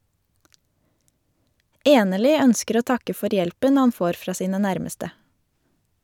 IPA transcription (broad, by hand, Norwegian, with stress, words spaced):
ˈeːnəɭʏ ˈœnskəɾ ˈoː ˈtɑkə ˈfɔɾ ˈjɛlpən ˈhɑn ˈfoːɾ ˈfɹɑː ˈsiːnə ˈnæɾməstə